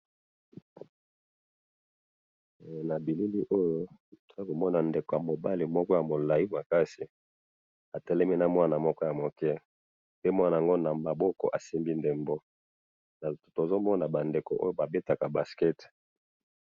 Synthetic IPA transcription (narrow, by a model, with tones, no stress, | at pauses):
na˨bi˨li˦ldi˦ʔo˦jo˦to˨a˦ko˨mɔ˦na˨nde˨ko˨ja˨mo˨ba˦li˨mɔ˦kɔ˦ja˨mo˨la˨i˦ma˨ka˦si˨ | a˨tɛ˦lɛ˦mi˦na˦mwa˦na˨mɔ˦kɔ˦ja˨mo˨kɛ˦ | pe˦mwa˦na˨a˨ŋɡo˦na˨ma˨bɔ˦kɔ̰˨ʔa˨si˦mbi˦nde˨mbo˦ | na˨tto˨zo˦mɔ˦na˨ba˨nde˨ko˨ʔo̰˦jo˦ba˨be˦ta˨ka˨ba˨skɛ˦t